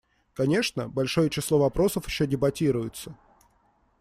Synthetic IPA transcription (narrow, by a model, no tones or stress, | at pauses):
kɐnʲe̞ʂnəbɐlʲʂo̞jət͡ɕɪslˠo̞vɐpɾo̞səfjɪɕːodʲɪbɐtʲiɾʊjʊt̪sə